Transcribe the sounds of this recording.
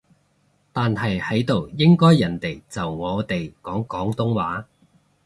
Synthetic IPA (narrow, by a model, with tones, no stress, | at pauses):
t̪aː˨nɦɐ˨jhɐ˨˥jt̪o˨wjɪ˥ŋkɔː˥jːɐ˨˩nt̪e˨˩jt͡sɐ˨wŋɔː˨˧t̪e˨jkɔː˨˥ŋkɔː˨˥ŋt̪ʊ˥ŋwaː˨˥